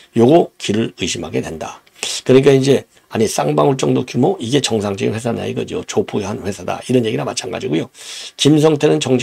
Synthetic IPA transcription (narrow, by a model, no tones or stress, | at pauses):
joɡokiɾɯɾɯɕʰimaɡe̞dwe̞nda | kɯɾʌɲik͈aind͡ʑe̞ | aɲis͈aŋbaŋuɭt͡ɕ͈ʌŋdokjumoiɡe̞t͡ɕʌŋsʰaŋd͡ʑʌɡḭnwe̞s̬ʰana̰ḭɡʌd͡ʑijo̰t͡ɕopʰuɡeɦanɸwe̞sʰada̰iɾʌnje̞ɡiɡamat͡ɕʰaŋɡa̰d͡ʑiɡujokims̬ʰʌŋtʰenɯnt͡ɕʌŋɕʰ